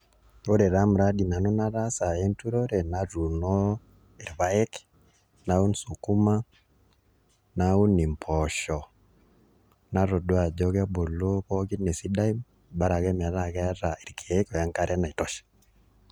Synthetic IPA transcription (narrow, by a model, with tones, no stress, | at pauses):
o˦ɾɛ˨ɾa˦m˨ɾa˦di˨na˨nɔ˦na˦ɾa˦sa˨e˦ntu˦ɾo˦ɾɛ˨na˨ɾu˨nɔ˦ | e˨ɾβa˦ɛ˦k | na˨u˦nsu˨ku˦ma˦ | na˦u˦ni˨mpʰɔ˨ʃɔ˨ | na˨˦ɾo˨dwa˨d͡ʒɔ˦ɣa˦bo˨lo˦βɔ˦ɣi˦ne˨si˦da˦i˦m | ba˦ɾa˨ɣɛ˦mɛ˨ða˨ɣɛ˦ɾa˨e˨ɾkʰe˨˦kɔ˨ja˦ŋka˦ɾɛ˦na˨i˨tɔ˨ʃḁ